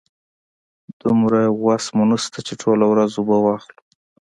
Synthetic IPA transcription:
d̪̥ʊmɾawasmʊnəst̪at͡ʃeʈʰolawɾazubəwɑxlu

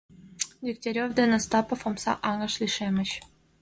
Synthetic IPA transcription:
dʲik̚t̪ʲeɾʲovd̪enəst̪ɑpŏfomsɑ̰ʔɑŋɤ̆ʃlʲiʃemʲɘ̆t͡ɕ

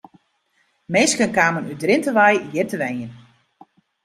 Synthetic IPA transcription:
meːskənkaːmənydrɪntəʋajjɪrtəʋɛjən

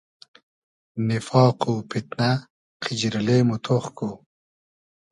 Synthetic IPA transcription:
nifɑːquːpit̪na | qʰid͡ʑɾileːmut̪ʰoχko

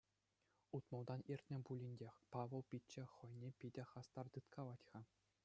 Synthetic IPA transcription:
ut̪mɤ̆lˠd̪ɑnirʲtʲnʲɘ̆bulʲinʲdʲexʲpɑʋɤ̆lˠpʲit͡ɕːɘ̆χɤ̆jnʲepʲidʲɘ̆χɑst̪ɑrt̪ɯt̪kʰɑʋɑtʲχɑ

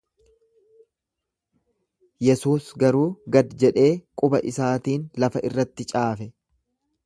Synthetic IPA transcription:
jɛsuːsɡɐɾuːɡɐd̪d͡ʒɛᶑe̞ːkʼʊbɐʔɪsaːt̪iːnlɐfɐʔɪrːɐt̪ːɪt͡ʃʼaːfɛ

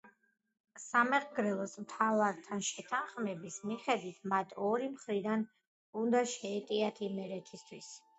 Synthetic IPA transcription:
samɛʁɡɾɛlˠɔsmt̪ʰavaɾt̪ʰanʃɛt̪ʰanχmɛbismiχɛd̪wit̪ʰmat̪ʰɔɾimχɾid̪an | und̪aʃɛːt̪ʼiat̪ʰimɛɾɛt̪ʰist̪ʰwis

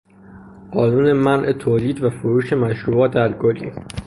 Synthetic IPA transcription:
ɢ̥ɒːnuːne̞mænʔet̪ʰoːliːd̪væfoɾuːʃe̞mæʃɾuːbɒːt̪̚dæɾɡolḭːn

